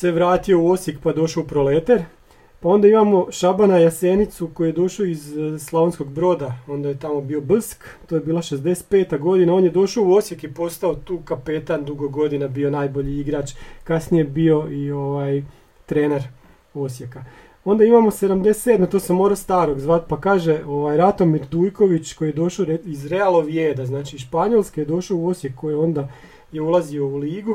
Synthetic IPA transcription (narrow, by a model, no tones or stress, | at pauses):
seʋɾaːt̪io̞uo̞sje̞kpad̪o̞ʃaoupɾo̞let̪eɾ | pao̞nd̪aimamo̞ʃabanajaseːnit̪suko̞juje̞d̪o̞ʃoizslˠoʋensko̞ɡbɾo̞ːd̪ao̞nd̪ajet̪amo̞bio̞blr̩skt̪ojebiːlˠaʃezd̪e̞se̥t̪̚pe̞ːt̪aɡo̞d̪inao̞njed̪o̞ʃauo̞sje̞kipo̞st̪ao̞t̪uːkape̞t̪and̪uɡoɡo̞d̪inabio̞naːjbo̞ʎiiɡɾat͡ʃkasnijebio̞ʔioʋaːj | t̪ɾe̞ːneɾ | o̞sje̞ka | o̞nd̪aimamose̞d̪amd̪ese̥t̪ːed̪mat̪osemo̞ːɾast̪aːɾo̞ɡzʋat̪pakaːʒe̞o̞ʋajɾat̪o̞miɾd̪uːjko̞ʋit͡ʃko̞jijed̪o̞ʃaɾeizɾealˠoʋjeːd̪aznaːt͡ʃiʃpaɲo̞lˠskejed̪o̞ʃouo̞sjekʰːo̞jeo̞nd̪a | je̞ulˠazio̞uliːɡu